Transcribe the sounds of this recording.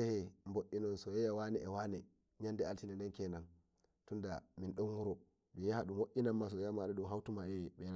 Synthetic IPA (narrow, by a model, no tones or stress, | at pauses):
ɛhɛmboʔinɔnsɔjɛjawanɛʔɛwanɛ | ɲandɛaltinɛndɛnkɛnan | tundaminɗumwuɾɔ | minjahaɗumwoʔinamːas̬ɔjjamaɗɛɗumɦawtumaɛɓɛna